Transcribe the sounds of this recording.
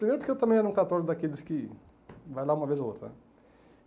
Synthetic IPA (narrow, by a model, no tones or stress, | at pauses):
pɾimejɾpʊɾkewt̪ɐ̃mẽj̃ɛɾɐ̃kat̪ɔɾʊd̪akelɪskɪ | vajlaũmɐvezoot̪ɾɐ̰nɛ